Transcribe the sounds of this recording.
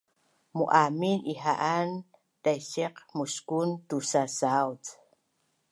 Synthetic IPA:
muʔaminiɦaʔan | t̪ajʃeqmuʃkunt̪usasawt͡s

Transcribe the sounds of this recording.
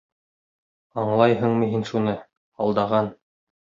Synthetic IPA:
ɑɴlˠɑjɦɤ̆ɴmɤ̆ɦinʃunɤ | ɑlˠd̪ɑʁɑn

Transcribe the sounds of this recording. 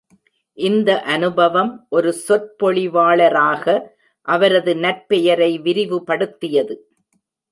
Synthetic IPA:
ʔɪnd̪ɐʔɐnɯbɐʋɐmʔɔɾɯsɔɾpɔɭɪʋaːɭɐɾaːɣɐ | ʔɐʋɐɾɐðɯnɐɾpɛjɐɾɐɪʋɪɾɪʋɯpɐɽɯt̪ːɪjɐðɯ

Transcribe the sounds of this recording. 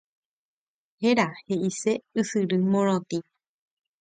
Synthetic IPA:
heɾaheʔiseɨsɨɾɨmõɾ̃õt̪i

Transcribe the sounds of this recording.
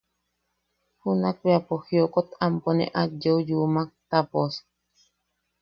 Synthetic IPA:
hunakweapohiokot̪amponḛ̃ʔad͡ʒoujumak̚t̪apos

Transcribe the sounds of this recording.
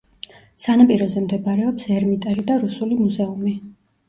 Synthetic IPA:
sanapʼiɾɔzɛmd̪ɛbaɾɛɔpsɛɾmit̪ʼɛlid̪aɾusulimuzɛumi

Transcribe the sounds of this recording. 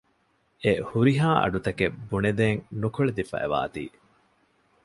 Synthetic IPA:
ehuɾiɦaːʔɐ̰ɖut̪ɐkebuned̪eːŋnukoɭed̪ifɐ̰ʔḛʋa̰ːt̪ḭː

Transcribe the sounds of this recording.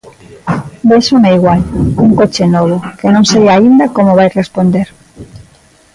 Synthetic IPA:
bejʃomeiɣwaluŋkot͡ʃenoβ̞okenõŋseβjaind̪akomoβajrespond̪eɾ

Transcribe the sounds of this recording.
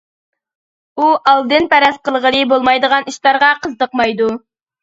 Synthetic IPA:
uʔɑlˠd̪ɨnpɛɾɛsqəlˠʁəlˠɨbolˠmɑjd̪əʁɑniʃlˠɑɾʁɑqʰəzd̪əqmɑjd̪u

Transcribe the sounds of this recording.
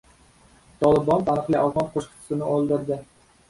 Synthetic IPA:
t̪ʰɒlˠɪbɒnt̪ʰanɨqlˠɪʔɒlˠʁɒnqʰoʃqʰt̪ʰɪ̥sɪnɪolˠd̪ɪɾd̪ɪ

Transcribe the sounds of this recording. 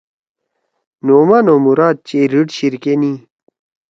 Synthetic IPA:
noːmaːnomuɾaːt̪̚t͡ɕeɾiʈɕiɾkeni

